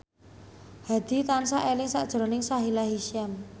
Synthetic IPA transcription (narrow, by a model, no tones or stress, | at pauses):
had̪̥i̤t̪ansaʔelɪŋsa̰ʔd̥ʒ̥ɾo̤nɪŋsaɦilaɦiʃɛm